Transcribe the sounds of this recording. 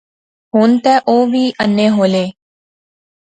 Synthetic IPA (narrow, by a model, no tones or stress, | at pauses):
ɦʊnt̪ɛːʔoːʋiːʔənːeːɦoːleː